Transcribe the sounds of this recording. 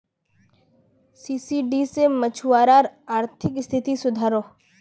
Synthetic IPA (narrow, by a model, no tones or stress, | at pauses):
siːsiːɖisemət͡ʃʰuwaːɾaːɾaːɾt̪ʰɪkɪst̪ʰɪt̪isʊd̪ʱaːɾoː